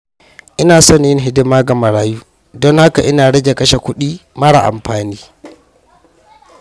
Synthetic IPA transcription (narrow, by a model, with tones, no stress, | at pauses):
ʔɪ˦naː˨sɔ˦njɪ˦nɦɪ˦dɪ˦maː˦ɡa˨mɐ˨ɽaː˦juː˦ | dɔ˦ŋha˦ka˨ʔɪ˦naː˨ɽɐ˦d͡ʒe˨kɐ˦ʃa˨kʷʊ˦ɗiː˦mɐ˦ɽa̰˨ʔa̰˨mɸaː˨niː˦